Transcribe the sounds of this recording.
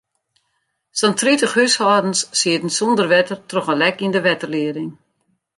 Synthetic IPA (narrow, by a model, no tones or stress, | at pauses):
sɔntritəχyshɔːdn̩sːiətn̩sɔndərʋɛtərtrɔχəlɛkindəʋɛtərlɪəɾɪŋ